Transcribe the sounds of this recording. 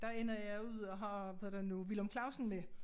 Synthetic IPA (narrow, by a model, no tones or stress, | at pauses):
d̥ɑ̈enɐjɑuð̰ˠɒɦɑ̈ʋɛhðɐ̰d̥enuʋilomkʰlɑ̈ʊsn̩me